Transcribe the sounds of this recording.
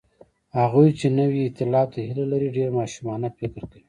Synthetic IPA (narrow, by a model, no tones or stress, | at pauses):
haɣujt͡ʃenəwiɪt̪ɪlɑb̚t̪ahilalaɾiɖeɾmɑʃumɑnafɪkɾkawi